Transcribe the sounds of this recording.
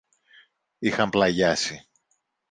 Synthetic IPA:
ixɐmplɐʝɐsi

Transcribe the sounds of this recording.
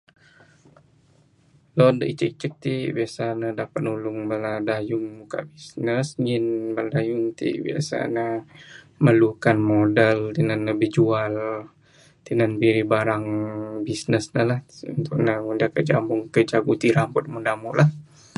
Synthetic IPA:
lɔndəʔit͡ʃək̚t͡ʃək̚t̪ibiasanədapat̪̚nulʊŋbaladajʊŋmuka̰ʔbisnəsŋɪnbaladajʊŋt̪ḭʔbḭa̰sa̰nə | məlukanmodəlt̪inanːəbəd͡ʒual | t̪inanbiɾibaɾaŋbisnəsnəlahṵnt̪ʊk̚naundakəd͡ʒambʊŋkəd͡ʒaɡut̪iɾambɔt̪̚mundamuʔlʔah

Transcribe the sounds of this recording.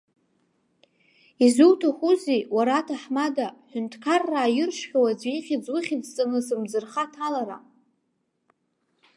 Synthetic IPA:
izuwtʰaχʷuziwaɾatʰaħmadaħʷᶣʊntʰkʰarːaːjɪrʂχʲawad͡zʷiχʲɪd͡zwʊχʲɪt͡st͡sʼɨnɨsɨmd͡zɨrχatʰalaɾa̰

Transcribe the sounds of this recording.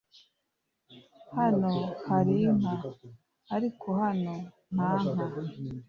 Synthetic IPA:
hanohaɾiŋ̥aː | ɾikʰohano | n̥aŋ̥a

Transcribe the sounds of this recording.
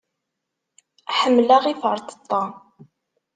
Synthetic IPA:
ħəmːlaʁifəɾˤt̪ə̥t̪ˤːɑ

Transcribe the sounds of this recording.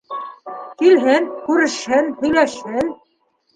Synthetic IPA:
kilɦɘnkʉɾɘ̆ʃhɘnhɵ̆jlæʃhɘn

